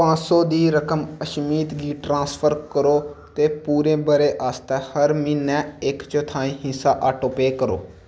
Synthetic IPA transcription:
pãːsɔːd̪iːɾəkəməʃmiːt̪ɡiːʈɾãːspʰəɾkəɾoːt̪eːpuːɾẽːbəɾeːʔaːst̪ɛːhəɾmiːnɛ̃ːɪkt͡ʃot̪ʰaːĩːɦɪ̃saːʔaːʈoːpeːkəɾo̰ː

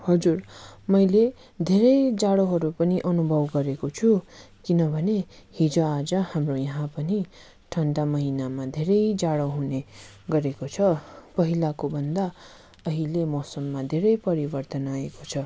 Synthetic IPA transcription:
hʌd͡zurmʌjle | d̪ʱeɾʌjd͡zaɽoɦʌɾupʌniʔʌnubʱʌbɡʌɾekot͡sʰu | kinʌbʱʌne | hid͡zoad͡zʌhamrojʌɦãpʌni | ʈʰʌnʈamʌɦinamad̪ʱeɾʌjd͡zaɽʌɦune | ɡʌɾekot͡sʰʌpʌɦilakobʱʌnd̪a | ʌɦilemosʌmːad̪ʱeɾʌjpʌɾibʌrt̪ʌnaekot͡sʰʌ

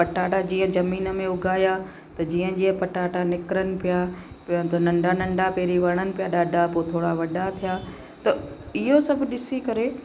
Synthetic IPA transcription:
pɐʈaːʈad͡ʑiːə̃d͡ʑɐmiːnə̆mẽʊɡʱaːja | t̪ɐd͡ʑiːə̃d͡ʑiːə̃pɐʈaːʈanɪkɾənɪ̆pijaː | t̪ɐnɐ̃ɳɖanɐ̃ɳɖapeːɾiʋɐɾɽ̃ənɪ̆pijaɗaːɖʱapot̪ʰoːɽaʋɐɖʱat̪ʰijaː | t̪ɐɪɦosɐbʱɗɪsikɐɾe

